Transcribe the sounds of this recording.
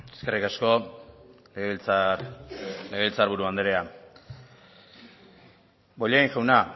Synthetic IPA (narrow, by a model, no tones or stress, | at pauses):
e̥skerikasko̞ | leet͡s | leɣeilt͡saɾβuɾuand̪eɾea | bo̞ʎaiŋʝawna